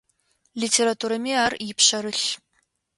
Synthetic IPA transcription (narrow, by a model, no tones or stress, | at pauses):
litʰeɾatʰuːɾɐmiaːrjɪpɕɐɾɨɬ